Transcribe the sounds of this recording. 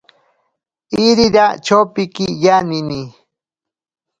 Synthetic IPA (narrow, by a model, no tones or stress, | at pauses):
iɾiɾat͡ʃowpikijanini